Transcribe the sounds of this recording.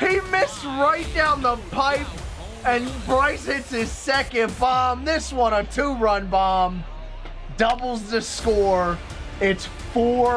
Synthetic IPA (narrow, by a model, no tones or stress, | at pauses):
himɪsɹaɪt̚d̥ãʊ̃nðəpʰaɪp | ɨ̃nbɹaɪtsɪtsɪz̥sɛkɨ̃nbɑmðɪswʌ̃nətʰuɹʌ̃nbɑm | dʌbl̩ˠzðɨskɔɹ | ɪts | fɔ